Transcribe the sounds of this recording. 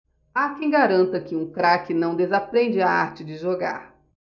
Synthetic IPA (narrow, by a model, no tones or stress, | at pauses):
akẽj̃ɡaɾɐ̃nt̪ɐkɪũkɾakɪnɐ̃w̃d̪ezapɾẽnd͡ʒɪaa̰ɾt͡ʃɪd͡ʒɪʒoɡa̰ɾ